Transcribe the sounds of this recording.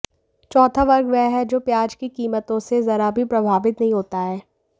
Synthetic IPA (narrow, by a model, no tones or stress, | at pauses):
t͡ʃɔːt̪ʰaʋɐɾɡʋɛɦɛd͡ʒoːpjaːd͡ʒkikiːmət̪õsezɐɾabʱipɾɐbʱaːʋɪt̪nɐɦĩɦoːt̪aɦɛː